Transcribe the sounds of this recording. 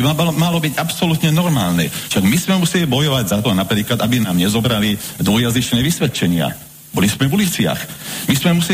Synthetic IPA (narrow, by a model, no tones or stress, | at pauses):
iamalɔbiɟapsɔlut̪ɲɛnɔɾmaːlnɛ̰ʃaɡmismɛmusɛlibɔjɔʋaɟzat̪ɔnapɾiːklad̪abinaːmɲɛzɔbɾalid̪ʋɔjazit͡ʃnɛːʋisʋɛt̪t͡ʃɛɲɪa̰ | bɔlismɛvulit͡sɪa̰xmismɛmusɛ